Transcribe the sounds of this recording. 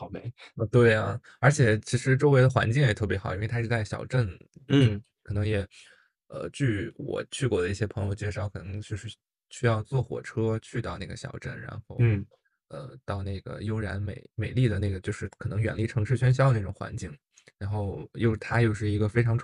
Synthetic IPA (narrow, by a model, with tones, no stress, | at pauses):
ɑ˨˩ʊme˧˥ɪ˧t̪we˥˩ɪɐ˩ | ə˞˧˥t͡ɕʰjɛ˨˩t͡ɕʰi˧˥ʂɻ̩˧˥ʈ͡ʂo˥ʊwe˧˥ɪd̪ə˧xwa̰˧˥nt͡ɕi˥˩ŋjɛ˨˩t̪ʰɤ˥˩p̬jɛ˧˥xɑ˨˩ʊi˥nwe˧ɪa˥ɻt͡sa˥˩ɕjɑ̰˨˩ʊʈ͡ʂə˥˩n˥˩ | kʰɤ˨˩nɤ˧˥ŋjɛ˨˩ | ə̰˧t͡ɕy˥˩wɔ̰˨˩t͡ɕʰy˥˩kwɔ˥˩d̪ə˦˥i˥˩ɕjɛ˥pʰɤ˧˥ŋjo˧ʊt͡ɕɛ˥˩˧ʂʊkʰɤ˨˩nɤ˧˥ŋt͡ɕjo˥˧ʊʂɻ̩˥˧ | ɕy˥jɑ˥˧ʊt͡swɔ˥˩xwɔ̰˨˩ʈ͡ʂʰɤ˥t͡ɕʰy˥˧t̪ɑ˥˧ʊna˥˩ɡə̰˩ɕjɑ̰˨˩ʊʈ͡ʂə˥˩nɻa̰˧˥nxo˥˧ʊ | ə̰˧t̪ɑ˥˧ʊna˥˩ɪɡə̰˩jo˥ʊɻa̰˧˥nmḛ˨˩˦ɪme˨˩ɪli˥˩d̪ə˩na˥˩ɡə˩t͡ɕjo˥˧ʊʂɻ̩˥˩kʰɤ˨˩nɤ˧˥ŋɥɛ̰˨˩nli˥˩ʈ͡ʂʰɤ˧˥ŋʂɻ̩˥˩ɕɥɛ˥nɕjɑ˥ʊd̪ə˧ni˥˩ʈ͡ʂʊ˨˩ŋxwa̰˧˥nt͡ɕi˥˩ŋ | ɻa˧˥nxo˥˩ʊjo˥˧ʊ˥˩t̪ʰa˥jo˥˧ʊʂ̬ɻ̩˥˩i˧˥ɡə˧fe˥ɪʈ͡ʂʰɑ˧˥ŋʈ͡ʂʰ